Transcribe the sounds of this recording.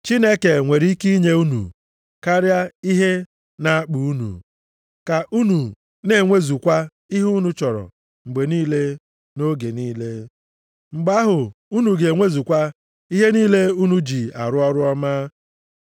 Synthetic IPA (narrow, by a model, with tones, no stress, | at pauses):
t͡ʃi˦ne˦ke˨ŋʷe˨ɾi˦i˦ki˦ɲe˦u˦nṵ˨ | ka˦ɾja˦i˦ɦe˦ | na˦a˦k͡pu˨u˦nṵ˨ | ka˨ʔu˦nu˨ | ne˨˦˨ŋʷe˦zu˨kʷa˦ | i˦ɦu˦nu˨t͡ʃɔ˨ɾɔ̰˨ | ŋ͡m̩˨ɡ͡be˨niː˦le˦ | no˦ɡe˨niː˦le˦ | ŋ͡m̩˨ɡ͡ba˦ɦʊ˨u˦nu˨ɡe˨ŋʷe˦zu˨kʷa˦ | i˦ɦe˦niː˦le˦u˦nu˨d͡ʒi˨a̰˨ɾʊ˦ɔ˦ɾʊ˦ɔ˦ma˦